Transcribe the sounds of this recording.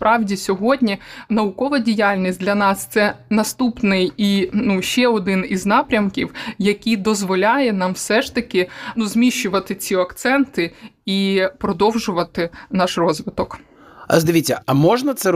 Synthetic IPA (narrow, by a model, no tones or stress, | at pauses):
spɾʔɑwdʲisʲɔɦɔdʲnʲinɐʊkɔʋɐdʲijalʲnʲisʲtdlʲɐnɑst̪sɛnɐst̪upnɪjinuʃɛɔd̪ɪniznɑpɾʲɐmkʲiwjɐkʲid̪ɔzʋɔlʲajɛnɑmwsɛʃt̪ɐkʲɪnuzmʲiʃʲːʊʋɐt̪ɪt͡sʲiɐkt̪sɛnt̪ɪipɾɔd̪ɔwʒʊʋɐt̪ɪnɑʃrɔzʋɪt̪ɔk | ɐ̰zd̪ɐʋʲit̪ʲt͡sʲːɐɐmɔʒnɐt̪sɛ